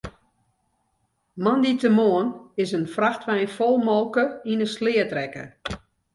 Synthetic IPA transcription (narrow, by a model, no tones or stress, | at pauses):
manditəmoənɪsənfraxtʋɛjnfɔlˠmɔlˠkəinəslɪːətrɛkə̰